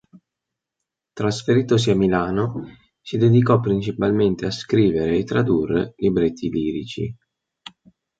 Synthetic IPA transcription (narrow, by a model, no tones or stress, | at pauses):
t̪ɾasfeɾiːt̪os̬iamilaːno | sid̪ed̪ikɔpːɾint͡ʃipalment̪easkɾiːveɾeːt̪ːɾad̪urːḛlibɾet̪ʰːiliːɾit͡ʃḭ